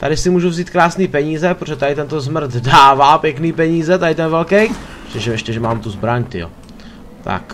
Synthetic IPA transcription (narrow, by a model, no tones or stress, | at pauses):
t̪adɪsɪmuːʒuvziːt̪̚kɾaːsniːpɛɲiːzɛpɾoʒɛt̪adɪt̪ɛnt̪ozmɾ̩t̪daːvaːpjɛkniːpɛɲiːzɛt̪adɪt̪ɛnvɛlkɛjtɛʒɛɛʃcɛʒɛmaːmt̪uzbɾaɲt̪ɪ̰jo̰ | t̪ʰa̰k